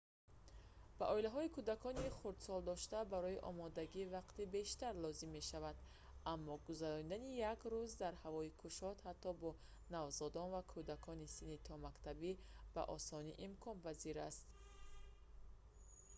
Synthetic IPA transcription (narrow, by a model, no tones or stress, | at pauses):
b̥aʔɔilaɦɔikʰud̪akʰɔniχuɾd̪sɔld̪ɔʃt̪abaɾɔiʔɔ̰mɔd̪aɡivaqt̪ibe̞ʃt̪aɾlɔzimːe̞ʃavad̪ | amːɔɡuzaɾɔnid̪anijakɾuzd̪aɾhavɔikʰuʃɔt̪hat̪ːɔbɔ | navzɔd̪ɔnvakʰud̪akʰɔnisinit̪ʰɔmakt̪ʰabib̥a̰ʔɔsɔniʔimkʰɔnpaziɾast̪